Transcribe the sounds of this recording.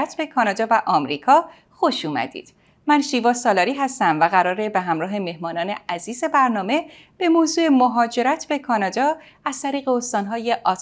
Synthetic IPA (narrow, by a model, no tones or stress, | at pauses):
t̪ʰbe̞kʰɒːnɒːd̪ɒːvæʔɒːmɾiːkʰɒː | xo̞ʃuːmæ̰d̪ḭːd̪̥ | mænʃiːvɒːsɒːlɒːɾiːɦæst̪æmvæɣæɾɒːɾe̞beɦæmɾɒːɦe̞me̞hmɒːnɒːne̞̰æziːze̞bæɾnɒːme̞ | b̥e̞mozuːe̞moɦɒːd͡ʒe̞ɾæt̪ʰbe̞kʰɒːnɒːd̪ɒː | æz̥t̪ʰæɾiːɣeost̪ɒːnɦɒːje̞ʔɒːt̪